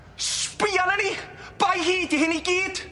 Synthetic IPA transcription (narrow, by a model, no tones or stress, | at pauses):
spɪanənib̥ajɦiːdiɦɪniɡiːd̥